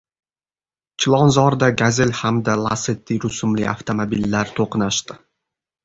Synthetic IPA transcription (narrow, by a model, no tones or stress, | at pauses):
t͡ʃʰɪlˠɒnzɒɾd̪aɡʲazelʲhamd̪alˠaset̪ʰːiɾʊsʊmlɪ̰a̰ft̪ʰomobilːaɾt̪ʰoqnaʃt̪ɪ